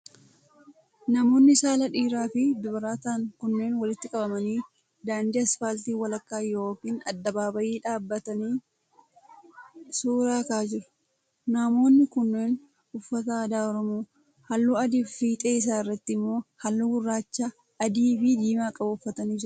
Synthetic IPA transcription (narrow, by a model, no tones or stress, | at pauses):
nɐmo̞ːnːɪsaːlɐᶑiːɾaːfɪd̪ʊbɐɾaːt̪aːŋkʊnːe̞ːnwɐlɪt̪ːɪkʼɐbɐmɐniː | d̪aːnd̪ɪɐsfaːlt̪iːwɐlɐkːaːjo̞ːkiːnɐ̰d̪ːɐbaːbɐjiːᶑaːbːɐt̪ɐniː | suːɾaːkaːd͡ʒɪɾʊ̥ | namo̞ːnːɪkʊnːe̞ːn | ʊfːɐt̪ɐd̪aːɔɾɔmoː | hɐlːuːɐd̪iːfiːt̪ʼe̞ːɪs̬aːɪrːɐt̪ːɪɪmːo̞ːhɐlːuɡʊrːaːt͡ʃːaː | ɐd̪iːbiːd̪iːmaːkʼɐbʊfːɐt̪ɐniːd͡ʒɪɾʊ̥